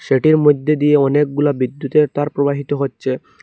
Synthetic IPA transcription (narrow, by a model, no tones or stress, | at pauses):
ʃeʈiɾmod̪ʱːed̪ijeɔnek̚ɡulabid̪ːut̪et̪aɾpɾobaɦit̪oɦotːɕʰe